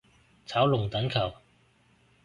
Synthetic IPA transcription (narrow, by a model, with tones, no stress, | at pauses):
t͡sʰaː˨˥wlʊ˨˩ŋt̪ɐ˨˥ŋkʰɐ˨˩w